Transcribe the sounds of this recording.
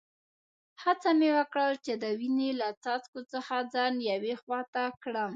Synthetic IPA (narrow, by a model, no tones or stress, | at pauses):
hat͡samewəkɽəlt͡ʃed̪əwinelat͡sɑt͡skot͡səxad͡zɑnjawexwɑt̪akɽəm